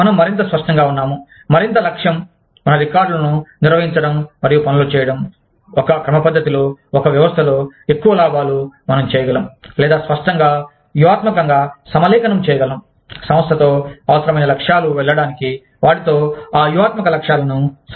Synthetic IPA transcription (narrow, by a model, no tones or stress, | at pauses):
mɐnɐmːɐɾint̪̬ɐspɐʂʈɐŋɡaːunːaːmu | mɐɾint̪ɐlɐkʂjɐmː | ɐnɐʋikaːɾɖulɐnuniɾʋɐɦiɲt͡ʃɐɽɐmːɐɾijupɐnɐlut͡ʃɛːjɐɽɐm | ɔkɐkɾɐmɐpɐd̪ʱːɐt̪ilo̞ːɔkɐʋjɐʋɐst̪ʰɐloːekːuʋɐlaːbaːlumɐnɐmt͡ʃɛːjɐɡɐlɐmulɛːd̪aːspɐʂʈɐŋɡaː | juʋaːt̪mɐkɐŋɡaːsɐmɐlɛːkɐnɐmt͡ʃɛːjɐɡɐlɐm | sɐ̃m̃ɐst̪ʰɐt̪oːɐʋɐsɐɾɐmɐjnɐlɐkʂaːluʋɛɭːɐɽaːniki | ʋaːʈit̪oːaːjuʋaːt̪mɐkɐlɐkʂaːlɐnus